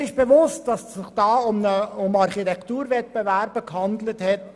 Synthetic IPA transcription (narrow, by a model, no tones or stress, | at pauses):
ɪʃb̥eʋʊst̚d̥ɑssɪχd̥ɑːʊməʊmɑɾχitɛktuːɾvɛt̚b̥evæɾbəkhɑnd̪ləthɛt